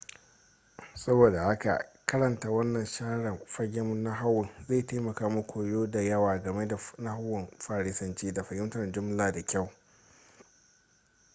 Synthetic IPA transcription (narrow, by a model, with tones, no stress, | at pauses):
sɐ˦boː˨da˨ha˦ka̰˨ʔkɐ˦ɾɐ˨ntaː˨wɐ˦nːɐ˨nʃaː˦ɽɐ˨mɸɐ˦ɡʲe˦mʊ˦nːa˦ɦa˦wːɪ˨nzeː˦˨teː˦mɐ˨kaː˦mʊ˦kʷoː˨joː˦da˨jɐ˦waː˨ɡɐ˨me˦da˨na˦ha˦wːɪ˨mɸaː˦˨ɽɪ˦sɐ˦nt͡ʃiː˦da˨ɸɐ˨hɪ˦mtɐ˨d͡ʒʊ˦mlaː˨da˨kʲa˦˨w